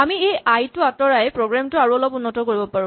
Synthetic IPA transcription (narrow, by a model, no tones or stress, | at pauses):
amiejajtʊatɔɹajpɹoɡɹamtʊaɹuɔlɔpʊnːɔtɔkoɹibɔpaɹʊ̃